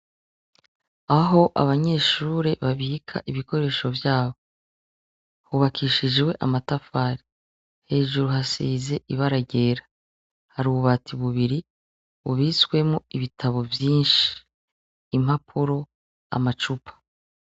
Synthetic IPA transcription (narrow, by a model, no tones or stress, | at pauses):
aɦo̞ʔa̰βaɲe̞ːʃuːɾe̞βaβikʰa̰ʔiβiko̞ɾe̞ːʃo̞vjaːβo | huβakʰiːʃiʒewe̞ʔamatafaːɾi | he̞ːʒuɾuɦasiːze̞ʔiβaɾaɟe̞ːɾḁ | haɾuβuβatiβuβiɾi | uβiskwe̞muiβitʰaβo̞vjiːnʃi̥ː | m̥hapʰuɾo̞ | a̰mat͡ʃupʰḁ